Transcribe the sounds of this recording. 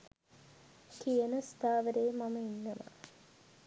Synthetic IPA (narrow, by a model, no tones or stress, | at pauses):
kijənəst̪aːʋəɾeːmɐməinːɐʋɐ̰